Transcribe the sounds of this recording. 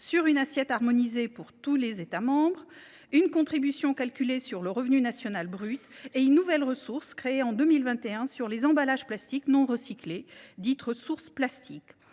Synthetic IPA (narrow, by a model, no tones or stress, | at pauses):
syʁynasjɛt̪aʁmɔnizepuʁt̪ulezet̪amɑ̃bʁ | ynkɔ̃t̪χibysjɔ̃kalkʲylesyʁləʁəvnynasjɔnalbʁyt̪eynːuvɛlʁəsuʁskχeeɑ̃d̪əmilvɛ̃t̪eɛ̃syʁlezɑ̃balaʒplast̪iknɔ̃ʁəsikled̪it̪ʁəsuʁsplast̪ʰik